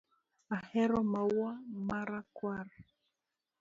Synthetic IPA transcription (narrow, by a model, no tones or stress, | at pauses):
ahɛɾɔmawamaɾakwaɾɛ